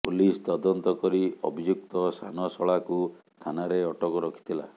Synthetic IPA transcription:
pulist̪ɔd̪ɔnt̪ɔkɔɾiɔ̰bʱid͡ʒuk̚t̪ɔsanɔsɔɭaku | t̪ʰanaɾeɔʈɔkɔɾɔkʰi̥t̪ʰila̰

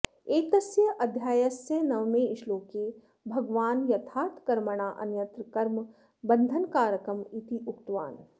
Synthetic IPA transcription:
eːt̪ɐsjɐʔɐd̪ʱjaːjɐsjɐnɐʋmẽɪʃloːke | bʱɐɡʋaːnjɐt̪ʰaːt̪kɐɾməɽ̃aːʔɐ̰njɐnt̪ɾkɐɾm | bɐ̃nd̪ʱənkaːɾjəkɾɐmit̪iʊkt̪ʋa̰ːn

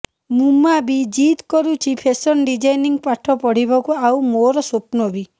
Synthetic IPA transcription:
mumabid͡ʒit̪kɔɾut͡ʃʰipʰesɔnɖid͡ʒajniŋɡpaʈʰɔpɔɽ̤ibɔkuawmoɾɔsopnɔbi

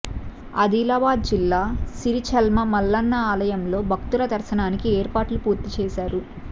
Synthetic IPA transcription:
ɐ̰d̪iːlaːbaːd̪̚d͡ʒilːaːsiɾit͡ʃɐlmɐmɐlːɐnːɐaːlɐjɐmlo̞ːbʱɐkt̪ulɐd̪ɐɾsɐnaːnikieːɾpaːʈlupuːɾt̪it͡ʃɛːsaːɾu

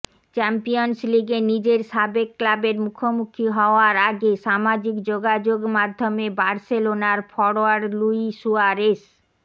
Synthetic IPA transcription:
t͡ɕɛmpijonsliɡenid͡ʑeɾʃabekːlabeɾmukʰomukʰiɦɔoaɾaɡeʃamad͡ʑikd͡ʑoɡad͡ʑoɡmad̪ʱːomebaɾselonaɾfɔɽoaɾluisuaɾes

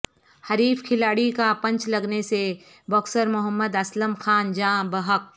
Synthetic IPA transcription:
hɐɾiːfkʰɪlaːɽikapɐ̃ɲt͡ʃlɐɡnese | bɔːksəɾmʊɦəmːəd̪ɐsləmxaːnd͡ʒãːbɐɦək̚

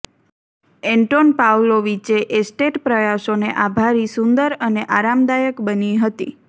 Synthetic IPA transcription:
eɳʈonpawloʋit͡ʃeʔesʈeʈpɾəjasoneʔabʱaɾisund̪əɾəneʔaɾamd̪ajəkbəniɦət̪ḭ

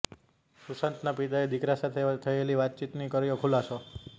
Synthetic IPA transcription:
susənt̪napit̪aed̪ikɾasat̪ʰet̪ʰəeliʋat̪̚t͡ʃit̪nikəɾijokʰulaso

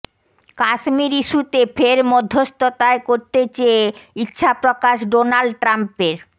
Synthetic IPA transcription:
kaʃmiɾiʃut̪efʰeɾmɔd̪ʱːost̪ot̪aekoɾt̪et͡ɕeeitːɕʰapɾokaʃɖonalɖʈɾampeɾ

